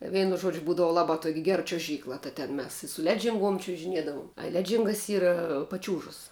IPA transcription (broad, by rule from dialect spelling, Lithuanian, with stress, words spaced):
ˈʋʲɛɪnʊ ˈʒuɔd͡ʒʲʊ ˈbuːdɐʋɐ ˈlˠɑːbɑː tuɔkʲ ɡʲɛr t͡ʃʲuɔˈʒʲiːklˠɐ tɐ tʲɛn ˈmʲɛs sʊ ɪ ˈlʲæːd͡ʒʲɪŋˌɡuɔm t͡ʃʲʊʒʲɪˈnʲiɛdɐʋʊm ɐ ˈlʲæːd͡ʒʲɪŋɡɐs ˈiːrɐ pɐˈt͡ʃʲuːʒɐs